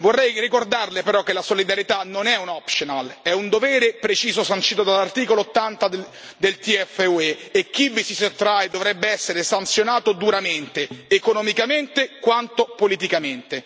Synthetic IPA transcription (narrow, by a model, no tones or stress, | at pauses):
vorːɛjrikord̪arlepeɾɔk̟ːelasolid̪aɾjet̪anonɛunɔpʃonalɛund̪ovɛːɾepɾet͡ʃiːzosant͡ʃiːt̪od̪alːart̪iːkoloot̪ːant̪a | d̪elt̪iɛfːeueːk̟ːivisisot̪ːɾajd̪ovɾɛbːeɛsːeɾesant̪sjonaːt̪od̪uɾament̪eːkonɔmikament̪ekwant̪opolit̪̬ikament̪e